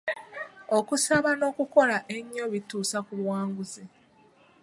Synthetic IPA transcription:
okusaβano̞ːkuko̞laʔe̞ɲːo̞βituːsakuβwaːŋɡuzi

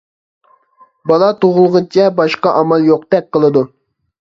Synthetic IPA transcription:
bɑlˠɑt̪oʁʊlˠʁʊnt͡ʃʰɛbɑʃqɑʔɑmɑlˠjoq̚t̪ɛk̚ʲqəlˠɨd̪u

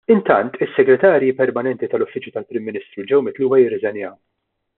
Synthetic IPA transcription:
ɪnt̪ɐnt̪ɪsːɛɡɾɛt̪ɐːɾjipɛɾmɐnɛnt̪it̪ɐlɔfːɪt͡ʃjut̪ɐlpɾɪmːɪniːst̪ɾuld͡ʒɛwmɪt̪luːwɐjɪrːɪzɛnjɐ

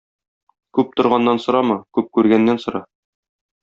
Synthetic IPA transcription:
kʉp̚t̪ŏɾʁɑnːɑnsŏɾɑmɤkʉp̚kʉɾɡænːænsŏɾɑ

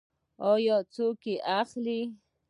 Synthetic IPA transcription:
ojot͡sukiʔaχli

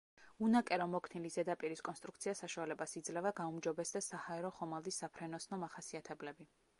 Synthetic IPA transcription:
unakʼɛɾɔmɔkʰnilizɛd̪apʼiɾiskʼɔnst̪ʼɾuk̚ʰt̪sʰiasaʃualɛbasid̪zlɛvaɡaumd͡ʒɔbɛsd̪asahaɛɾɔχɔmalˠd̪isːapʰɾɛnɔsnɔmaχasiat̪ʰɛblɛbi

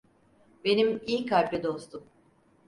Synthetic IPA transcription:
be̞nimijkʰaɾʲblʲɛd̪o̞st̪ʰum

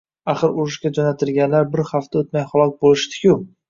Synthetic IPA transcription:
aχɨɾʊɾɪʃɡʲad͡ʒonat̪ʰɪɾɡʲanlaɾbɪɾhaft̪ʰaot̪majχɒlˠɒk̚bolɪʃt̪ʰɪ̥kʲʰʊ

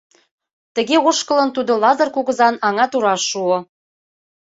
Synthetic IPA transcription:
t̪ə̆ɣeoʃkələnt̪ud̪olɑzɤrkuɣə̆zɑnɑŋɑt̪uɾɑʃuo

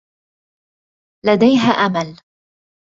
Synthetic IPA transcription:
lad̪ajɦaːʔamal

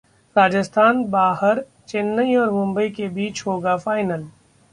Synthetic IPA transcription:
ɾaːd͡ʒəst̪ʰaːnbaːɦəɾ | t͡ʃɪnːəiɔːɾmʊ̃mbəikebiːt͡ʃɦoːɡafʰaːɪnəl

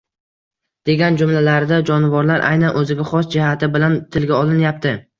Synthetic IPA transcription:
d̪̥e̞ɡʲand͡ʒʊmlalaɾɪd̪ad͡ʒɒnɪvɒɾlaɾʔa̰jnanʔɵzɪɡʲaχɒsd͡ʒɪhat̪ʰɪbɪlant̪ʰɪlɡʲaɒlˠɪnjap̚t̪ʰɪ

